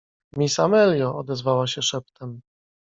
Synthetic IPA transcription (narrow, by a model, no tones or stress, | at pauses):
mʲisamɛljɔʔɔd̪ɛzvawaɕɛʂɛp̚t̪ʰɛm